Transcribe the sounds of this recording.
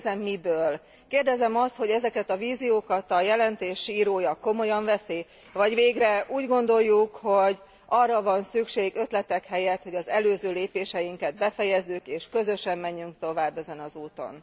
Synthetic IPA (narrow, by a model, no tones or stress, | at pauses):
zɛmːibøːl | keːrd̪ɛzɛmɒst̪ho̞ɟɛzɛkɛt̪ɒviːzijoːkɒt̪ɒjɛlɛnt̪eːʃiːɾoːjɒko̞mo̞jɒɱvɛseː | vɒɟveːɡrɛʔuːɟɡo̞nd̪o̞jːukho̞ɟ | ʔɒrːɒvɒnsykʃeːɡø̞t̪lɛt̪ɛkhɛjɛt̪ho̞ɟɒzɛløːzøːleːpeːʃɛjiŋkɛd̪̚bɛfɛjɛzːykeːʃkø̞zø̞ʃɛmːɛɲːyŋkt̪o̞vaːbːɛzɛnɒzuːt̪o̞̰n